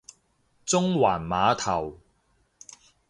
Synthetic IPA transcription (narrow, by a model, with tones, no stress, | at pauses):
t͡sʊ˥ŋwaː˨˩nmaː˨˧t̪ʰɐ˨˩w